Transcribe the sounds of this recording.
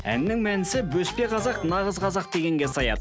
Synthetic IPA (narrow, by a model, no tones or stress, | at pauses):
æ̰nːɪŋmænɪsɪbɵspe̞qʰɑzɑqnɑʁəzqʰɑzɑq̚d̪e̞ɡʲe̞ŋɡʲe̞sɑjɑ̰d̪